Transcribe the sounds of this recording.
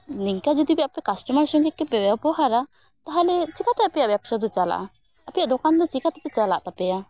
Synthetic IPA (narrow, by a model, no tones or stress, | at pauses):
niŋkad͡ʒɔd̪ibɛapɛkasʈɔmaɾsɔŋɡɛkːɛbɛbabɔɦaɾa | t̪aɦalɛt͡ʃikat̪ɛapɛjaʔbjapsad̪ɔt͡ʃala̰ʔa | apɛjaʔd̪ɔkand̪ɔt͡ʃikat̪apɛt͡ʃala̰ʔt̪apɛja